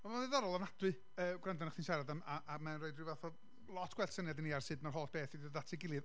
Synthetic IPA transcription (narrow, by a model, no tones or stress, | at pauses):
ɔmaðɨðɔɾɔlˠavnadwɨ | əːɡrandɔnaχθinʃaɾadamaʔamanroːɨdrɪwvaθɔ | lˠɔtʰɡ̥wɛltsənjadiniarsɨdmarɦoːlˠtb̥eːθidəðatʰiɡɪlˠɨð